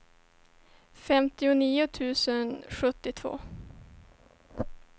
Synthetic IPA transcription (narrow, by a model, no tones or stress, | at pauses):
fɛmt̪ɪʊniːʊt̪ʰʉ̟ːsənɧɵt̪ːɪt̪ʰvo̰ː